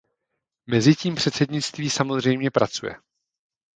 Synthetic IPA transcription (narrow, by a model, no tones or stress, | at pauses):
mɛzɪciːmpr̝̥ɛt̪t͡sɛdɲɪt͡st̪viːsamo̞zr̝ɛjmɲɛpɾat͡sujɛ̰